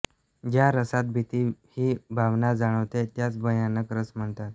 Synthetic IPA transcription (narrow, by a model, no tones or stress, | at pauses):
d͡ʑjaɾəsat̪̚bʱit̪iːhiːbʱaʋnad͡zaɽ̃əʋt̪et̪jat͡sbʱəjanəkɾəsm̤əɳt̪at̪